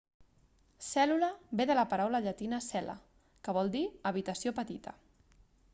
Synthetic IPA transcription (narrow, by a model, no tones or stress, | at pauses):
sɛluləbeðələpəɾawləʎət̪inəsɛlə̰ | kəβ̞ɔlˠd̪iəβ̞it̪əsiopət̪it̪ə